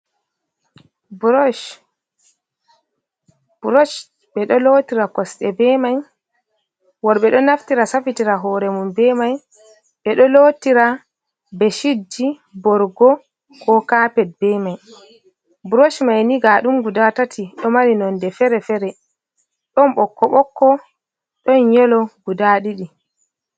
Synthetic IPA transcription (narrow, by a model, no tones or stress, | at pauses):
b | b̥uɾɔʃ | ɓɛɗɔlotiɾakɔsɗɛbɛmaj | wɔɾɓɛɗɔnaftiɾasafitiɾaɦɔːɾɛmumbɛmaj | ɓɛɗɔlotiɾa | bɛʃidːi | bɔɾɡɔ | kʰɔkapɛt̚bɛmaj | buɾoʃmajniɡaɗumɡudatatʰiɗɔmaɾinɔndɛfɛɾɛfɛɾɛ | ɗɔnɓɔkːɔɓɔkːɔ | ɗɔnjɛlɔɡudaɗiɗi